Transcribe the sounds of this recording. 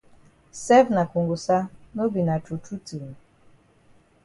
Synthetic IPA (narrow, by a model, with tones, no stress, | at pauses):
sɛ˦vna˨ku˨ŋɡʊ˨sa˦no˦bi˨na˨tu˨tʰu˦tu˨m˨